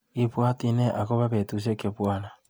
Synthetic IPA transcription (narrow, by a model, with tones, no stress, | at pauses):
i˨βwa˦ti˦ne˦ʔa˨ko˦βa˦βe˨tu˨s̬e˦ke˨βwaː˦na˨